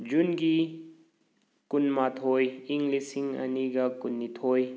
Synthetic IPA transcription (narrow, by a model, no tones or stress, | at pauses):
d͡ʒunɡi | kunmat̪ʰojiŋɡlisiŋa̰niɡakunːit̪ʰoːj